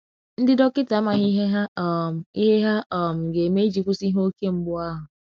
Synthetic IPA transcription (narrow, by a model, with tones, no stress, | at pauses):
n̩˦dɪ˦dɔ˦kɪ˦ta˨˦ma˨ɦi˦ɦe˦ɦa˦ɔ˨m̩˨i˦ɦe˦ɦa˦ʔɔ˨m̩˨ɡe˨me˦d͡ʒi˨kʷu˦si˦ɦo˦o˦ke˦m̩˦bʊ˦a˦ɦʊ˨